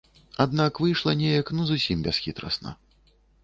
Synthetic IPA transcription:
ad̪nakvɨjʂlˠɐnʲejɐknuzusʲimbʲɛsxʲit̪ɾɐ̰snɐ̰

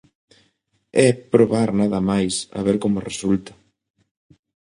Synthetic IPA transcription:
ɛpɾoβaɾnaðɐmajsa̰βɛɾkomoresult̪a

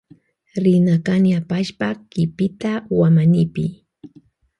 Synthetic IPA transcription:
ɾɪnakanjapaʃpakɪpɪt̪awamanɪpɪ

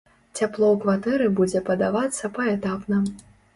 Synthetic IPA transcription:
t͡sʲaplˠɔwkvat̪ɛɾɨbud͡zʲɛpɐd̪avat̪sːɐpɐɛt̪apnɐ

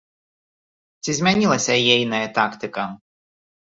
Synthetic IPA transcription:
t͡sʲizʲmʲanʲilˠɐsʲɐjɛjnɐjɐt̪akt̪ɨkɐ

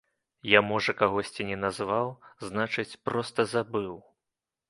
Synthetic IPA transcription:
jamɔʐɐkaɣɔsʲt͡sʲinʲɛnazvawznat͡ʂɨt͡sʲpɾɔst̪ɐzabɨw

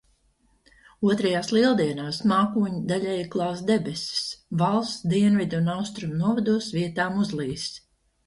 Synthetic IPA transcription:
uɔt̪ɾɛjaːslˠiɛlˠd̪iɛnaːsmaːkuːɲid̪aʎʲɛjklˠɑːsd̪ɛbɛsi̥svalˠst̪d̪iɛnvid̪unawst̪ɾumnuɔvad̪uɔsviɛt̪aːmuzlˠiːs

